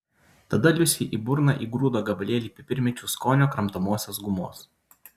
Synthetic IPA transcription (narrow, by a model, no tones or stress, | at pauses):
t̪ɐd̪ɐlʲʊsʲiʔiːbʊɾnɑʔiːɡɾuːd̪oːɡɐbɐlʲeːlʲiːpʲɪpʲɪɾʲmʲɛt͡ʃʲuːskoːnʲoːkɾɐmt̪omuɔsʲosɡʊmoːs